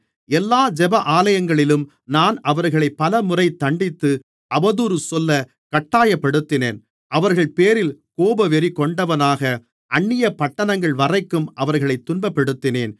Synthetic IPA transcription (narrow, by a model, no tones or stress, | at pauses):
ɛlːaːd͡ʒɛbɐʔaːlɐjɐŋɡɐɭɪlɯm | naːnɐʋɐɾɣɐɭɐɪpːɐlɐmʊrɐɪt̪ːɐɳɖɪt̪ːɯ | ʔɐbɐðuːɾɯsɔlːɐ | kɐʈːaːjɐpːɛɽɯt̪ːɪneːn | ʔɐʋɐɾɣɐɭpeːɾɪlkoːbɐʋɛɾikɔɳɖɐʋɐnaːɣɐ | ʔɐɳːɪjɐpɐʈːɐnɐŋɡɐɭʋɐrɐɪkːɯmʔɐʋɐɾɣɐɭɐɪt̪ːʊnbɐpːɛɽɯt̪ːɪneːn